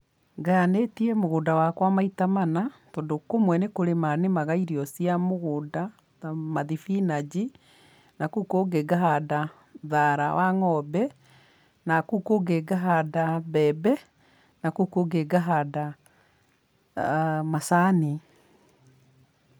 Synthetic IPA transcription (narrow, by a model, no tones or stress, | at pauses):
ɡanetiɛmoɣoːdawakwamaitamanatɔːndokomwɛnekoɾemanemaɣaiɾiɔsiamoɣoːda | amaðifinad͡ʑi | nakukoɡeɡaɦada | ðaɾawaŋɔbɛ | nakukoɡeɡaɦadaβɛbɛ | nakukoɡeɡaɦada | masane